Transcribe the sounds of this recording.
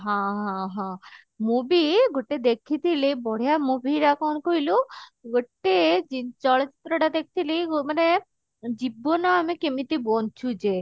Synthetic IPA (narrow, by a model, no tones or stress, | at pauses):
ɦãɦãɦã | mobiɡoʈːed̪ekʰit̪ʰilibɔɽ̤ijamobiɾakɔnkoiluɡoʈːed͡ʒit͡ʃɔɭt͡ʃit̪ːɾəʈad̪ekʰi̥t̪ʰiliɡmane | d͡ʑibːonɔamekemit̪ibɔnt͡ʃʰud͡ʒe